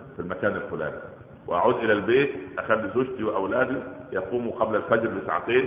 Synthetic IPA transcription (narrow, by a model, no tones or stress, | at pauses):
filmækæːnalxʊlæ̰ːni | wɪʔa̰ʕuːd̪ʔɪlælbeːt̪ʔæxælːizoːd͡ʒt̪iwɪʔæwlæːd̪ijɑquːmuqɑblælfæd͡ʒɾbɪsa̰ʕt̪eːn